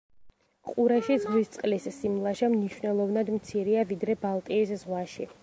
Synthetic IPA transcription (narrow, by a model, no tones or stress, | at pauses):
qʼuɾaʃizzist̪sʼqʼlisːimlˠaʃamniʃwnɛlˠɔvnad̪mt̪sʰiɾiavid̪ɾɛbalˠt̪ʼiːszʁwaʃi